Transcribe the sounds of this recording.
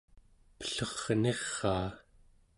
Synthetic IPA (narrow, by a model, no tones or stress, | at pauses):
pə̥ɬʌʁne̞ʁːɑː